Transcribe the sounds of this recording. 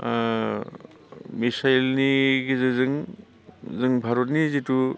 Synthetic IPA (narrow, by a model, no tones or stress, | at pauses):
misajlniɡizɯzɯŋ | zɯŋbʱaɾot̬̚nizitu